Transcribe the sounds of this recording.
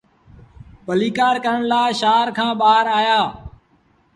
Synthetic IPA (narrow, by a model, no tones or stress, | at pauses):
ɓəliːkaːɾkəɾəɳlaːʃaːɾkʰãːɓaːɾaːjaː